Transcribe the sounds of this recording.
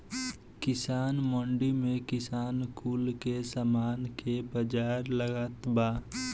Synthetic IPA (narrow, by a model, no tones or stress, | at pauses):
kɪsaːnmɔ̃ːɳɖimẽkɪsaːnkuːlkesamaːnkebəd͡ʒaːɾləɡat̪baː